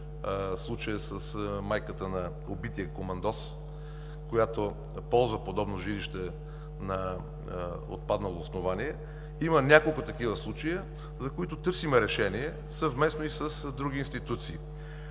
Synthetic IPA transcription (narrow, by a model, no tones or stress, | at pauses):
slˠut͡ʃəjəsəsmajkət̪ənɐ | obit̪iəkomɐnd̪ɔs | kojat̪o | pɔlˠzvəpod̪ɔbnoʒiliʃt̪ɛ | nɐ | o̰t̪̚pad̪nəlˠoːsnovaniɛ | imənʲakolˠkʊt̪ɐkivəslˠut͡ʃəjə | zɐkoit̪ʊt̪ɤɾsimɛɾɛʃɛniɛ | sɐvmɛsnoisɐsd̪ɾuɡ̟iːnst̪it̪ut̪siː